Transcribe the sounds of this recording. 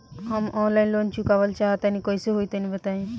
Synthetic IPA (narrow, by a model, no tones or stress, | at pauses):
ɦəmɔnlainlont͡ɕukaʋəlt͡ɕaɦat̪anĩkɔ̃jseɦoit̪anĩbət̪aɦẽ